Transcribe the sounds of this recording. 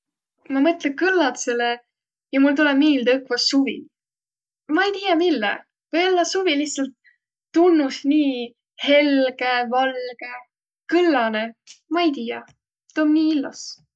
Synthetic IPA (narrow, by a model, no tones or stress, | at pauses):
mɑmɤt̪lekɯlːɑt̪sele | jɑmult̪ulɛmiːld̪əkvɑsːuvḭn | mɑejt̪iːjɑmilːɛ̰ | vɤjo̞lːɑsuviliçssɑlt̪ː | unːusniː | he̞lɡ̥evɑlɡ̥e̞ | kɯlːɑnemɑejt̪iːjɑ | t̪omniːilːɑs